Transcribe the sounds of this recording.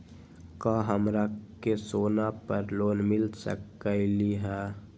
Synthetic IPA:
kãːɦəmɾakesoːnapəɾloːnmɪlsə̰kəɪliɦɛː

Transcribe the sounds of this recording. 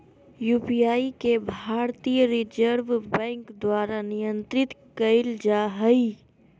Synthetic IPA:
juːpijaːikebʱaːɾt̪ijəɾɪd͡ʒəɾʋbɛ̃ːŋkd̪waːɾanɪjə̃nt̪ɾɪt̪kəɪld͡ʒaɦəi

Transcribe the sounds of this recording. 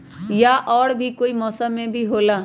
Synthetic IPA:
jaʔɔːɽbʱikoːimɔːsəmːẽbʱiɦoːlaː

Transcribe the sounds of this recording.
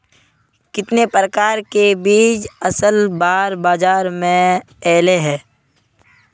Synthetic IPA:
kɪt̪nepɾəkaːɾkebiːd͡ʒəsəlbaːɾbaːd͡ʒaːɾmẽ | ɛːleɦɛ̃ː

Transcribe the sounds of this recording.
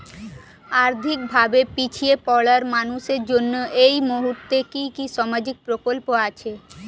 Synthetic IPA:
aːɾd̪ʱɪk̚bʱaːbepit͡ʃʰiepɔːɽəɾmaːnused͡ʒʊnːeimoɦut̪ekikisɔməd͡ʒɪk̚pɾokolpoat͡ʃʰe

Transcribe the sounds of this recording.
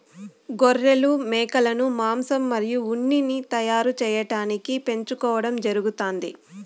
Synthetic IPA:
ɡɔrːelumɛːkɐlɐnumaːmsɐmːɐɾijuuɳːinit̪ɐjaːɾut͡ʃɛːjɐʈaːnikipe̞ɲt͡ʃukɔːʋɐɽɐmd͡ʒɐɾuɡut̪aːnd̪ḭ

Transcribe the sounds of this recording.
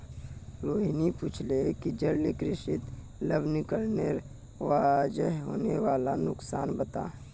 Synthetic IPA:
ɾoːɦinipuːt͡ʃʰlekid͡ʒəɽlikɾɪʃɪt̪ | ləbnɪkəlneɾ | ʋaːd͡ʒəɦɦo̰ːneʋaːlanʊksaːnbət̪a̰ː

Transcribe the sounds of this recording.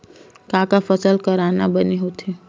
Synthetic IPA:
kãːkafəsəlkəɾaːnabəneɦot̪ʰeː

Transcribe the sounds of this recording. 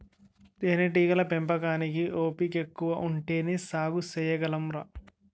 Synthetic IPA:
t̪eːneʈ̬iːɡɐlɐpempɐkaːnik̬iʔoːpikekːuʋɐʔuɳʈeːnisaːɡusɛjɐɡɐlɐmɾɐ

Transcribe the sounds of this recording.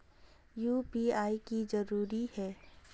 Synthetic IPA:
juːpiaːikizɐɾuːɾihɛː

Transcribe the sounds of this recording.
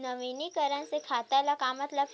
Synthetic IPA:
nəʋinikəɾənsekʰat̪alakamət̪la

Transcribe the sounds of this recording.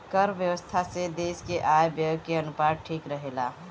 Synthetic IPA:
kəɾʋjəʋəst̪ʰased̪eskeʔaebjəkːeənupad̪̚ʈʰikɾəɦela

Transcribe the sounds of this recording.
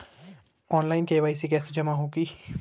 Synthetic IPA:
ɔːnlaːɪnkeːʋaːisik̬ɛːsed͡ʒɐmaɦoːɡiː

